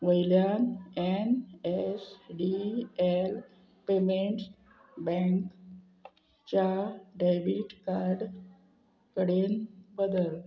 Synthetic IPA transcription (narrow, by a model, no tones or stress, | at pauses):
ʋəjljanenesɖiel | pemeɳʈs | bɛ̃ŋk | t͡ɕaɖajʋiʈkaɾɖ | kəɽenbəd̪əl